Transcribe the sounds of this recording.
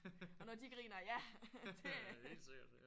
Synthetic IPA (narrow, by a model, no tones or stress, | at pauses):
ɒ̽nɒd̥iɡ̥ʁḭːnɐjæd̥eseɡ̥ɐ̥